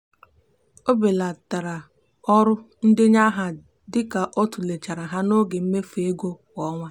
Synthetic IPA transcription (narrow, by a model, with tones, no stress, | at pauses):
o˦be˨la˨ta˨ɾa˨ | ɔ˦ɾʊ˦ | n̩˦dɪ˦ɲa˦ɦa˨ | dɪ˦ka˨ʔɔ˦tu˨le˨t͡ʃa˨ɾa˨ɦa˦no˦ɡe˨m̩˦me˦fe˦ɡʷo˦kɔ˦ŋʷa˦